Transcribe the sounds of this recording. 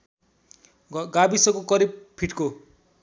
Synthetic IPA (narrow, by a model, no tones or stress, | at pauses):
ɡabisʌkokʌɾib̚pʰiʈko